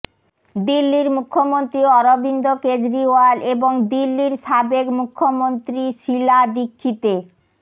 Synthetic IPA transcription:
d̪ilːiɾmukʰːomont̪ɾiɔɾobind̪oked͡ʑɾiwaleboŋd̪ilːiɾʃabekmukʰːomont̪ɾiʃilad̪ikʰːit̪e

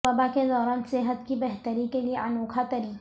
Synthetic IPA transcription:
ɐbaked̪ɔːɾaːnseɦət̪kibɛɦt̪əɾikelieʔɐnoːkʰat̪ɐɾiː

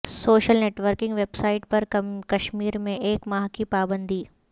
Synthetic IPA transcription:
soːʃəlneːʈʋəɾkɪ̃ŋɡʋeːbsaːɪʈ̚pɐɾkɐʃmiːɾmẽʔeːkmaːɦkipaːbə̃nd̪ʱiː

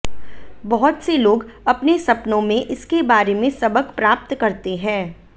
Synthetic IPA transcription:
bɐɦʊt̪seloːɡɐpnesɐpnõmẽʔɪskebaːɾemẽsɐbəkpɾaːp̚t̪kɐɾt̪eɦɛ̃ː

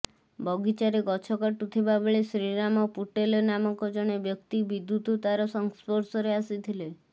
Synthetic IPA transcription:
bʱɔɡit͡ʃaɾeɡɔt͡ʃʰɔkaʈut̪ʰibabeɭesɾinamɔpuʈelnamɔŋkɔd͡ʒɔɽ̃ebjɔkt̪ibid̪ːut̪ut̪aɾɔsɔŋspɔɾsɔɾeasit̪ʰile

